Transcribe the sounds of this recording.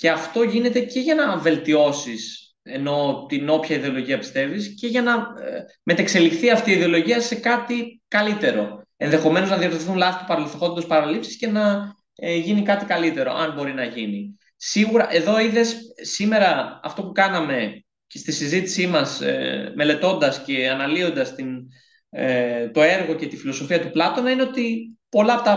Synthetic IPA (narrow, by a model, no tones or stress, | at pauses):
ce̞ɐft̪o̞ʝine̞t̪e̞ce̞ʝɐnɐve̞lt̪io̞sis | e̞no̞t̪ino̞pçɐiðe̞o̞lo̞ʝiɐpi̥st̪e̞visce̞ʝɐnɐ | me̞t̪ekse̞lixθiɐft̪iiðeo̞lo̞ʝiɐse̞kɐt̪ikɐlit̪e̞ɾo̞e̞nðe̞xo̞me̞no̞znɐðioɾθunlɐθit̪upɐɾɐliθoxond̪ospɐɾɐlipsi̥sce̞nɐ | ʝinikɐt̪ikɐlit̪e̞ɾo̞̰ʔɐ̰nbo̞ɾinɐʝini | siɣuɾɐʔe̞ðo̞iðe̞ssime̞ɾɐɐ̰ft̪o̞pukɐnɐme̞ | cest̪isizit̪i̥simɐsme̞le̞t̪o̞nd̪ɐsce̞ɐnɐlio̞nd̪ɐst̪in | t̪o̞e̞ɾɣo̞ce̞t̪ifilo̞so̞fiɐt̪uplɐt̪o̞nɐineo̞t̪ipo̞lɐːpo̞t̪ɐ